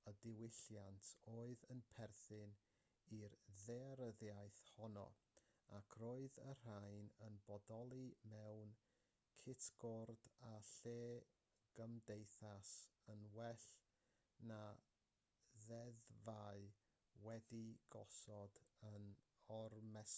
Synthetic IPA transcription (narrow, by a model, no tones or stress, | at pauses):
ədɪwɪɬjantʰoːɨðənpʰɛrθɪn | irðɛaɾəðjajθhɔnɔ̰ | akʰɾoːɨðər̥ajnənbɔdɔlˠimɛwn | kʰɪtʰɡ̥ɔrd̥aɬeː | ɡ̥əmdejθasənwɛɬ | na | ðɛðvaɨ | wɛdiɡ̥ɔ̰sɔdən | ɔrmɛs